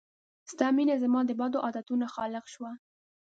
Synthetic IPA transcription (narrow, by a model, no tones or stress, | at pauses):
st̪ɑminazamɑd̪əbɑd̪oʔɑd̪at̪unaxɑlɪqʃwa